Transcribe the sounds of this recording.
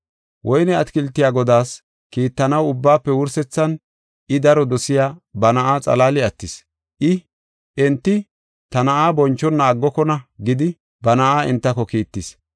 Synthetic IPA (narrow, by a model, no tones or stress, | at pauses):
wʔɔjnɛɐt̪kɪlt̪ːɪjaːɡɔd̪aːs | kiːt̪ːɐnɐwʊbːaːpːɛwʊɾsɛt͡sːɐn | ɪd̪ɐɾɔd̪ɔsɪjaːbɐnɐʔaːt͡sʼɐ̰laːlɪɐt̪ːɪs | ʔɪ | ʔɛnt̪ːɪ | t̪ɐnɐʔaːbɔnt͡ʃːɔnːaːɡːɔkɔnɐɡɪd̪ɪ | bɐnɐʔaːɪ̰nt̪ːɐkɔkiːt̪ːɪs